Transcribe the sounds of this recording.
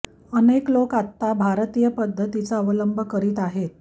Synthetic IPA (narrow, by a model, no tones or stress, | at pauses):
əneklokat̪ːabʱaɾt̪ijəpəd̪ʱːət̪it͡saəʋələmbʱəkəɾiːt̪aɦet̪̚